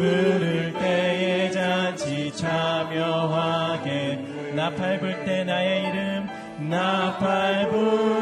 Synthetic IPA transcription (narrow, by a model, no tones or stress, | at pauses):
ɯɾɯɭt̪ejed͡ʑand͡ʑit͡ɕʰamjʌwaɡe | napʰaɭbuɭt̪͈enajeiɾɯm | napʰaɭbu